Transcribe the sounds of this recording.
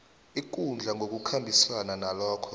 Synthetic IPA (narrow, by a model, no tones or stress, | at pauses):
ik̬und͡ɮʱaŋʱok̬ukʰambʱiswananalɔːkʰɔ